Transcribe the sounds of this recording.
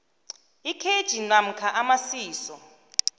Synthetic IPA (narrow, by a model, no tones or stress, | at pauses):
ikʰed̥ʒ̥ʱinam̩kʰaʔamasiːsɔ